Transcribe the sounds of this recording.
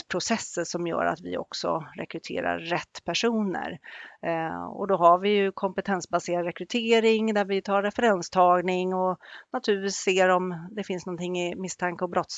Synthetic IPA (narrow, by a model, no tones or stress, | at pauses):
pʰɾʊsɛsːəsɔmjœ̰ːɾa̰t̪vɪ̰ɔ̰ksɔ̰ɾɛ̰kɾɵt̪ʰḛːɾa̰ɾːɛt̪ːpʰæʂuːnə̰ɾ | ɔ̰d̪ɔɦaɾvɪjɵkʰɔmpət̪ʰɛnsbaseːɾad̪ɾɛkɾɵt̪ʰeːɾɪŋd̪æɾvɪt̪ʰɑːɾːɛfɛɾɛnst̪ʰɑːɡnɪŋɔnat̪ʰʉɾviːsseːɾɔmd̪ɛfɪnsnɔnt̪ʰɪŋːɪmɪst̪ʰaŋkəɔbɾɔt̪ːs